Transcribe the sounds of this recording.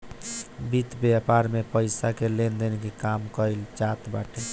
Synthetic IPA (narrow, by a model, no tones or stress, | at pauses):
bit̪bjapaɾmepəjsakelend̪enkekamkəɪlt͡ʃat̪ba̰ʈʰe